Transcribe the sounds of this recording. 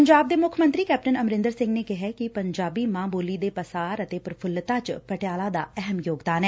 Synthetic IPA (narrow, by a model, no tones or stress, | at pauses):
əɲd͡ʒaːb̚d̪eːmʊkʰmə̃nt̪ɾiːkɛːp̚ʈənəmɾɪ̃nd̪əɾsɪ̃ŋɡneːkɪɦɛːkɪpəɲd͡ʒaːbiːmãːboːliːd̪eːpəsaːɾət̪eːpɾəpʰʊlːt̪ãːt͡ʃpəʈɪjaːlaːd̪a̰ːɛɦəmjoːɡd̪aːnɛː